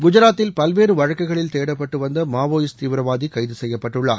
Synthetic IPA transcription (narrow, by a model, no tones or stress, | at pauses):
ɡʊd͡ʒɐɾaːt̪ːɪlpɐlʋeːɾɯʋɐɻɐkːɐɪɣɐɭɪlt̪eːɽɐpːɐʈːɯʋɐnd̪ɐmaːʋoːjɪst̪iːʋɾɐʋaːðikɐɪðɯsɛjːɐpːɐʈːɯɭːa̰ːɾ